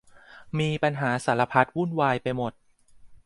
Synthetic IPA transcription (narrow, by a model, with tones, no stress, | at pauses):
miː˧pa˧nɦaː˩˦sa˩˦la˧pʰa˦˥t̪̚wu˥˩nwaː˧jpa˧jmo˨˩t̪̚